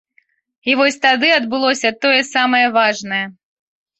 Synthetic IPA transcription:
ivɔsʲt̪ad̪ɨɐd̪̚bɨlˠɔsʲɐt̪ɔjɛsamɐjɐvaʐnɐjɛ

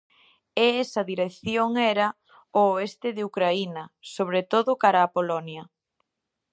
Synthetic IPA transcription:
eɛsɐðiɾeθjoŋɛɾɐ | oːest̪ɪðeukɾainɐsoβɾet̪oðʊkaɾaːpolɔnjɐ

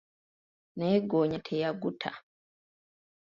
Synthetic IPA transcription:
neːɡoːɲatʰejaɡutʰa̰

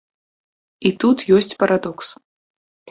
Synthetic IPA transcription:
it̪ut̪jɔsʲt͡sʲpɐɾad̪ɔks

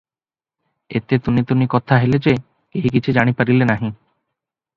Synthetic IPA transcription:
et̪et̪unit̪unikɔt̪ʰaɦeled͡ʒe | keɦikit͡ʃʰud͡ʒaɽ̃ipaɾilenaɦĩ

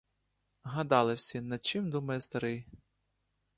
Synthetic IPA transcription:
ɦɐd̪ɑlˠɪwsʲɐnɐt͡ʃɪmd̪umɐjɛst̪ɐɾɪj

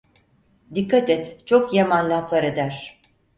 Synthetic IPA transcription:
d̪ikʰːat̪ɛt̪t͡ʃʰo̞kjamanlʲaflˠaɾe̞d̪æɾ̥

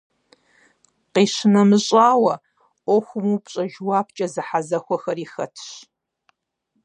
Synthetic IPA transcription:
qiːɕɪnɐmɨɕʼaːwɐ | ʔʷɔxʷʊmupɕʼɐʒwaːp̚ʰt͡ʃʼɐzɨħazɐxʷɔxɐriːxɐ̰tʰɕ

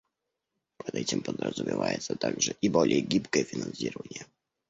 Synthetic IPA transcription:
pəd̪ɛtʲɪmpəd̪rəzʊmʲɪvajɪt̪sət̪aɡʐɨʔibolʲɪjəɡʲipkəjəfʲɪnɐnsʲiɾəvənʲɪjə

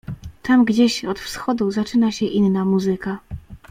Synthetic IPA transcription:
t̪amɡd͡ʑeɕɔt̪fsxɔd̪uzat͡ʂɘnaɕɛʔinːamuzɘka

